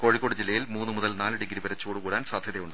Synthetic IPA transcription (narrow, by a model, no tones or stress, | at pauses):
ko̞ːɻikːo̞ːɽud͡ʑilːɐjilmuːnːɨmuðɐlnaːlɨɽiɡɐɾibɐɾɐt͡ɕːoːɽukuːɽaːnsaːd̪ʱjɐðejuɳɖɨ